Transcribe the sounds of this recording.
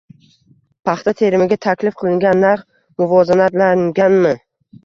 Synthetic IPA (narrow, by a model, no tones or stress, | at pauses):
pʰɑχt̪ʰat̪ʰe̞ɾɪmɪɡʲat̪ʰakʲlɪfqʰɨlˠɪŋɡʲanːaɾχ | mʊvɒzanat̪laŋɡʲanmɪ